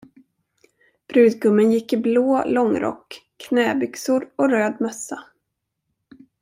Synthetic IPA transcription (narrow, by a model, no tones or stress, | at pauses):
b̥ɾʉ̟ːd̪ɡɵmːənjɪkːɪbloːlɔŋɾʔɔ̰kːʰ | nɛːbʏksʊɾɔɾøːd̪mœsːa